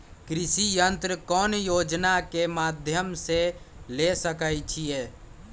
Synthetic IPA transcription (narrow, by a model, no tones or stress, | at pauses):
kɾɪsijənt̪ɾəkɔːnjoːd͡ʒnakemaːd̪ʱjəmselesəkəjt͡ʃʰie